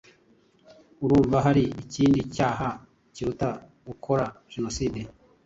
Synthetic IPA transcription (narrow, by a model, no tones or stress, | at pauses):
uɾuːɱvaɦaɾiːciːndicaːɦa | ciɾuta | ɡukʰo̞ɾa | ʒ̥eno̞siːde